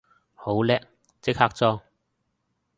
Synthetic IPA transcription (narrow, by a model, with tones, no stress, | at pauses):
ho˨˥wlɛː˥k̚ | t͡sɪ˥k̚haː˧˥k̚t͡sɔː˥